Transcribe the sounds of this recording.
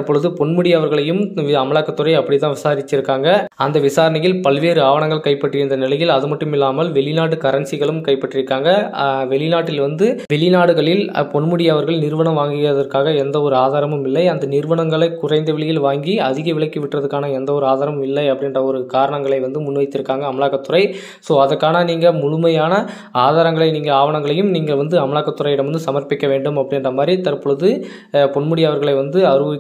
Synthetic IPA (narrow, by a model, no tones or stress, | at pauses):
pːɔɭɯðɯpɔɳmɯɽɪjɐʋɐɾɣɐɭɐjɯmɐmɐɭaːkːɐt̪ːɯrɐɪɐpːɐɽɪt̪̬ːãːʋɪsaːɾɪt͡ʃːɪɾɯkːaːŋɡɐɐnd̪ɐʋɪsaːɾɐnɐjɪlpɐlʋeːɾɯaːʋɐɳɐŋɡɐɭkɐɪpːɐʈːɪɾɯnd̪ɐnɪlɐjɪlɐðɯmɐʈːɯmɪlːaːmɐlʋɛɭɪnaːʈːɯkɐɾɐnsɪɣɐɭɯmkɐɪpːɐʈrɪɾɯkːaːŋɡɐʋɛɭɪnaːʈːɪlʋɐnd̪ɯʋɛɭɪnaːɽɯɣɐɭɪlpɔɳmɯɽɪjɐʋɐɾɣɐɭnɪɾɯʋɐɳɐmʋaːŋɡɪɣɪrɐðɐɾkaːɣɐɛnd̪ɐɔɾɯaːðaːɾɐmɯmɪlːɐɪɐnd̪ɐnɪɾɯʋɐɳɐŋɡɐɭɐɪkʊrɐɪnd̪ɐʋɛɭɪjɪlʋaːŋɡiɐðɪɣɐʋɪɭɐɪkːɯʋɪʈrɐðɯkːaːnɐɛnd̪ɐɔɾɯaːðaːɾɐmmɪlːɐɪɐpːɐɽɪnrɐɔɾɯkaːɾɐɳɐŋɡɐɭɐɪʋɐnd̪ɯmʊnʋɐɪt̪ːɪɾɯkːaːŋɡɐːmɐɭaːɣɐt̪ːɯrɐɪ | soːɐðɐɾkːaːnɐniːŋɡɐmʊɻʊmɐjaːnɐ | aːðaːɾɐŋɡɐɭɐɪniːŋɡɐaːʋɐɳɐŋɡɐɭɐjɯmniːŋɡɐɭʋɐnd̪ɯɐmɐɭaːɣɐt̪ːʊrɐɪɪɽɐmʋɐnd̪ɯsɐmɐɾpɪkːɐʋeːɳɖɯmɐpːɐɽɪnrɐmaːd̪ɾit̪ːɐɾpɔɭɯðɯ | pɔɳmɯɽɪjɐʋɐɾɣɐɭɐɪʋɐnd̪ɯɐɾɯʋ